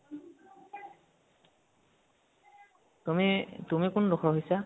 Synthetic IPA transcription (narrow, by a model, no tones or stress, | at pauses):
tumitumikʊndɔxʰɔɦojsa